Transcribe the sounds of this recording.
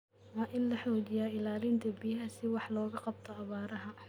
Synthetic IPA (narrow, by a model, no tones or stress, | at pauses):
wɑːʔɪnlɐħɔːd͡ʒɪjaːɪlaːlɪnt̪ʰɐbijɦɐsɪwɑħlɔːɣɐqɑb̚t̪ʰɔɐβaːɾɐɦɐ